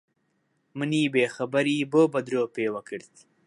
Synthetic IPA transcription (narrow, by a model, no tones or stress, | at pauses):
məniːbeːxabaɾiboːbɐd̪ɾoːpeːwakəɽt̪i̥